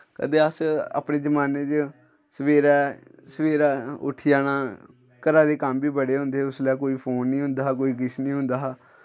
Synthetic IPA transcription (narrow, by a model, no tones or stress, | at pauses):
kə̰d̪eːəsa̰ːpɳeːd͡ʒəmaːneːt͡ʃ | səʋeːɾɛː | səʋeːɾaːʊ̰ʈʰijaːnaː | kəɾaːd̪eːkəmbʱiːbəɽeːɦʊ̃nd̪eːʊslɛːkoːiːpʰoːnːĩːɦʊ̃nd̪aːɦk̬oːiːɡɪʃnĩːɦʊ̃nd̪aː